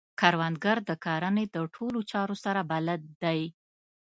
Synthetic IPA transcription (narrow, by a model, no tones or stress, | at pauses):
kaɾwand̪̚ɡaɾd̪əkɑɾaned̪əʈʰolot͡ʃɑɾosaɾabalad̪̚ːaj